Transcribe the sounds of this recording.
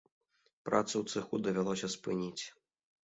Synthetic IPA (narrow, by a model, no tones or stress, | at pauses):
pɾat̪sɐwt̪sɨxud̪ɐvʲalˠɔsʲɐspɨnʲit͡sʲ